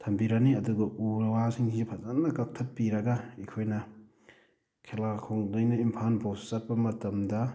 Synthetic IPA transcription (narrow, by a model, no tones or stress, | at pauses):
tʰɐmbiɾɐniɐduɡɐʔuɾɐwasiŋszipʰɐzanːɐkɐk̚tʰɐppːiɾɐɡɐikʰojnɐ | kʰelakʰoŋdɐjnɐimpʰanpʰawssɐt̚pɐmɐtɐmdɐ